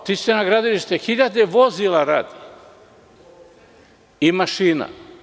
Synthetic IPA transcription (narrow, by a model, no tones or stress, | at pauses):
t̪ist̪ɛnaɡɾad̪iliʃt̪ɛxiʎad̪ɛvozilaɾad̪i | imaʃina̰